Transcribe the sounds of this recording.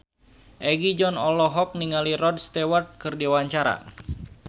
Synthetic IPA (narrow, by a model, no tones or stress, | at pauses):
ʔɛɡid͡ʒɔnɔlɔɦɔk̚niŋalirɔd̚st̪ewart̪̚kɨrdiwaɲt͡ʃaɾa̰